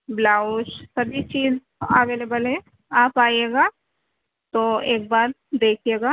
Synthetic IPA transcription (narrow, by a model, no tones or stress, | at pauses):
blaːʊʃsɐbit͡ʃiːz | əʋeːlebəlɦɛ̃ | aːpaːjeːɡaː | t̪oeːk̚baːɾ | d̪eːkʰieːɡaː